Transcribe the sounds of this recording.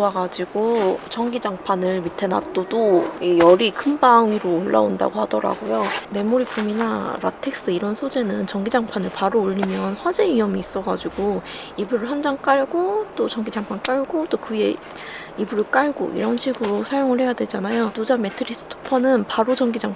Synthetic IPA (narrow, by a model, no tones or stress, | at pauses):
waɡad͡ʑiɡot͡ɕʌŋɡid͡ʑaŋpʰanɯɭmitʰe̞na̰t͈od͈oijʌɾikʰɯmbaŋɥiɾoːɭːa̰onda̰ɡohadʌɾa̰ɡojome̞moɾipʰominaɾa̰tʰe̞k̚s͈ɯiɾʌnsʰod͡ʑe̞nɯnt͡ɕʌŋɡid͡ʑaŋpʰanɯɭpaɾoːʎːimjʌnɸwad͡ʑe̞iʌmiːs͈ʌɡad͡ʑiɡoibuɾɯɭɦwand͡ʑaŋk͈aɭɡot͈ot͡ɕʌŋɡid͡ʑaŋpʰank͈aɭɡot͈okɯe̞̰ | ibuɾɯɭk͈aɭɡo̰ʔḭɾʌnɕʰiɡɯɾosʰajoŋɯɭhe̞jadwe̞d͡ʑanajotod͡ʑame̞tʰɯɾis͈ʰɯ̥tʰo̥pʰʌnɯnpaɾot͡ɕʌŋɡid͡ʑaŋ